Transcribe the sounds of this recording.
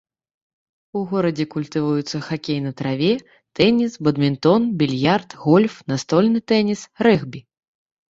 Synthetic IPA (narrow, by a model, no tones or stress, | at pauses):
uɣɔɾɐd͡zʲɛkulʲt̪ɨvujut̪sːɐxakʲejnɐt̪ɾavʲɛ | t̪ɛnʲisbɐd̪mʲint̪ɔnbʲilʲjart̪ɣɔlʲfnast̪ɔlʲnɨt̪ɛnʲisɾɛɣbʲi